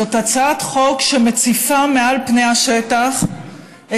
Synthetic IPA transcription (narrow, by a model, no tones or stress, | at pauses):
otat͡satχo̞kʃemet͡sifamealpnejhaʃetaχ